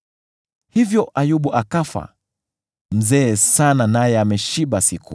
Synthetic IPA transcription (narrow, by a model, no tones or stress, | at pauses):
hivjɔʔajuɓuʔakafa̰ | m̩zɛːsananajɛamɛʃiɓasiku